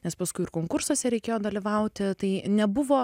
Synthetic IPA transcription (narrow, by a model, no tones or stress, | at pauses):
nʲɛspɐskʊɪɪɾkoːŋkʊɾsoːsʲɛɾʲɛɪkʲeːjoːd̪ɐlʲiʋɐʊtt̪ʲɪt̪ɐɪnʲɛbʊʋoː